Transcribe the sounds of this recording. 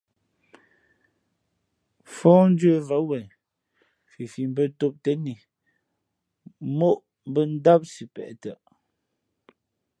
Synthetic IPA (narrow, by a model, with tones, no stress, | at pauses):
fɔ˦n̩˦d͡ʒə˦˨va˨˦wɛ˨ | fi˨fi˨m˦bə˦˨to˦p̚tɛ˦ni˨ | mo˦ʔ | m˦bə˦n̩˦da˦p̚si˨pɛ̰˨ʔtə˨ʔ